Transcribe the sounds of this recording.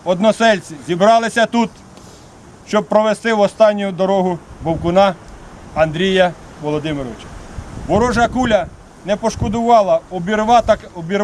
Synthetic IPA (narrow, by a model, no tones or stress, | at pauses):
ɔd̪nɔsɛlʲt͡sʲizʲibɾɑlˠɪsʲɐt̪ut̪ | ʃt͡ʃɔb̚pɾɔʋest̪ɪwɔst̪ɑnʲːʊjʊd̪ɔɾɔɦʊbɔwkʊnɑ | ɐnd̪ɾʲijɐ | ʋɔlˠɔd̪ɪmeɾɔʋɪt͡ʃɐ̥ʋɔɾɔʒɐkulʲɐ | nɛpɔʃkɔd̪ʊʋɑlˠɐɔbʲiɾɑt̪ɐkɔbʲiɾ